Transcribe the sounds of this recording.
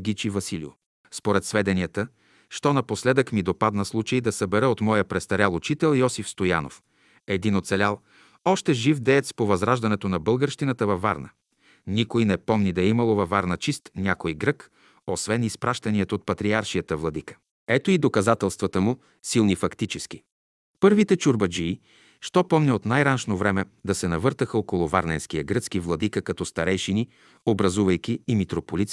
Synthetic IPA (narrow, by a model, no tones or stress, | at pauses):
ɡit͡ʃivɐsilḭʊ̰ | spoɾɛt̪svɛd̪ɛniət̪ə | ʃt̪ɔnɐposlɛd̪əkmid̪opad̪nəslˠut͡ʃəjd̪ɐsəbɛɾəot̪mɔjəpɾɛst̪ɐɾʲjalˠʊt͡ʃit̪ɛlˠjɔsifst̪oja̰no̰f | ɛd̪inot̪sɛlʲalˠ | ɔʃt̪ɛʒifd̪ɛɛt̪spovɐzɾaʒd̪ɐnɛt̪onɐbɤlˠɡəɾʃt̪inət̪əvɐfːa̰ɾnə̰ | nikojnɛpɔmnid̪ɐimɐlˠovɐfaɾnət͡ʃist̪nʲakojɡɾɤk | osvɛnispɾaʃt̪ɐniɛt̪oːt̪̚pɐt̪ɾiaɾʃijət̪əvlˠɐd̪ikə̥ | ɛt̪oid̪okɐzat̪ɛlˠst̪vɐt̪əmu | silˠnifɐkt̪it͡ʃɛsk̟i̥ | pɤɾvit̪ɛt͡ʃuɾbɐd͡ʒiː | ʃt̪ɔpɔmnʲɛot̪najɾanʃnovɾɛmɛd̪ɐsɛnɐvɤɾt̪əxəokolˠʊva̰ɾnɛnsk̟ijɐɡɾɤt̪skivlˠɐd̪ikəkɐt̪ɔst̪ɐɾɛjʃini | obɾɐzuvɐjk̟ʲiːmit̪ɾopolit̪